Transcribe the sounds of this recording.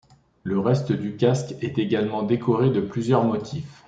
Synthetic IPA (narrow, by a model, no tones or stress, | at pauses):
ləʁɛst̪əd̪ykʲaskɛt̪eɡalmɑ̃d̪ekʰɔʁed̪əplyzjœʁmɔt̪ʰif